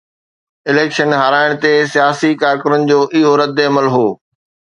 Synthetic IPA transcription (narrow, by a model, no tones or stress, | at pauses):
ɪleːkʃənɦaːɾaːɪɽ̃t̪esijaːsikaːɾkəɾənɪ̆d͡ʑoːʔɪɦoɾɐd̪ːeɐməlɦoː